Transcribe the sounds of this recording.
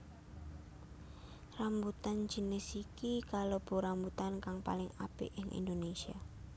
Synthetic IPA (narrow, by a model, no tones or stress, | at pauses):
rambut̪and͡ʒ̥i̤nɪsikikalob̥o̤ɾambut̪ankaŋpa̰lɪŋab̥ɪ̰ʔɪŋʔḭnd̪onesia